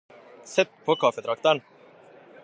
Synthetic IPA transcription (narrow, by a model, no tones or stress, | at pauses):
sɛt̪ːpʰɔkʰafɛt̪ʰɾak̚t̪an